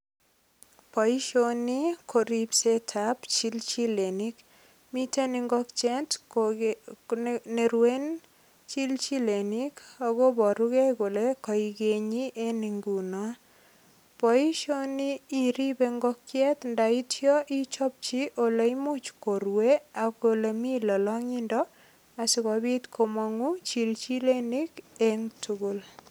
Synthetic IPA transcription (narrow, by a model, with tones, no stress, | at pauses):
pɔ˨i˦ʃoni˦kʰo˨ɾipsetʰapt͡ʃi˦lt͡ʃi˦leni˦k | mi˦te˦niŋɡɔkt͡ʃɛ˦nt | ne˨ɾwen | t͡ʃi˦lt͡ʃi˦le˨nika˨ɡobɔ˨ɾuke˦kʊ˨lekɔ˨iɡeɲi˦ʔe˦niŋɡunɔ˦ | pɔ˨i˦ʃo˦nii˨ɾi˦beŋɡɔkjɛ˦tnda˨itjɔ˦ʔi˦t͡ʃɔ˦p̚t͡ʃi˦ʔo˨le˦imut͡ʃko˨ɾwea˨kole˨mi˦lɔ˨lɔ˦ŋi˦ndɔ | a˨si˦kɔbi˦tkʰo˨ma˨ŋu˦t͡ʃilt͡ʃi˦le˦nikeŋtʰuku˦l